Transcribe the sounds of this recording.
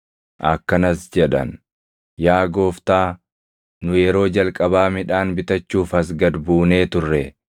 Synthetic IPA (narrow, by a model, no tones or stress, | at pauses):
ʔɐkːɐnɐsd͡ʒɛᶑɐ̰n | jaːɡo̞ːft̪aː | nʊjɛɾo̞ːd͡ʒɐlkʼɐbaːmɪᶑaːnbɪt̪ɐt͡ʃːuːfɐsɡɐd̪buːne̞ːt̪ʊrːɛ